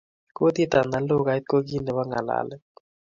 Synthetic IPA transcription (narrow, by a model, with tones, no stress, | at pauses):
ko˦t̪i˦t̪a˨na˨lo˦ɡa˨jt̪̚ko˦ɡi˦nɛ˨wa˦ŋa̰˨la̰˨lɛ˦